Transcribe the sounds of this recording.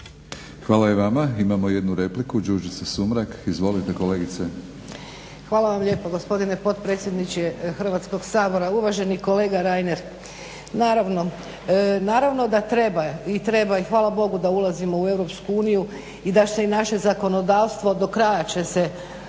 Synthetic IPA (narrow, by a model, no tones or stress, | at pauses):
xʋaːlajeʋamaimamo̞jed̪nuɾeplikud͡ʒuːʒisesumɾakizʋo̞lit̪ekoleːɡit̪se | xʋaːlaʋamʎe̞ːpoɡo̞spo̞d̪ine̞po̞t̪pɾe̞ːt̪sʲjed̪nit͡ʃexr̩ʋat̪sko̞ɡsaːbo̞ɾauʋaʒe̞niko̞le̞ːɡaɾajne̞ɾ | naːɾaʋno̞ | naːɾaʋno̞d̪at̪ɾe̞bait̪ɾe̞baixʋaːlˠabo̞ɡud̪aulˠazimo̞ue̞ʋɾo̞pskuuːniju | id̪aseinaʃe̞zako̞no̞d̪aːʋst̪ʋo̞d̪o̞kɾajat͡ʃe̞se̞